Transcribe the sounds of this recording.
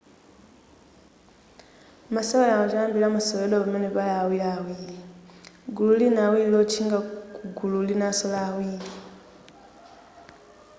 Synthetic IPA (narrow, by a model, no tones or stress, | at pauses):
masaβajaot͡ʃaːmbilamasoleloβameneβalawilawili | ɡululinawililot͡ʃiŋɡakuɡululinasolawili